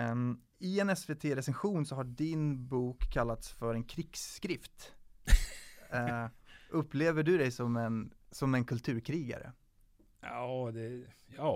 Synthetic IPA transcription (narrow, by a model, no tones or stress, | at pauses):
ɪɛnɛsveːt̪ʰeːɾɛsɛnɧuːnsɔɦaɖɪnbuːkʰːalːat̪sfœɾɛnkʰɾɪɡsːkɾɪft̪ | ʔɵpːleːvəɖɵd̪ɛjsɔmɛnsɔmɛnkʰɵlt̪ʰʉ̟ːɾkʰɾiːɡa̰ɾə̰ | ɑd̪ɛjɑː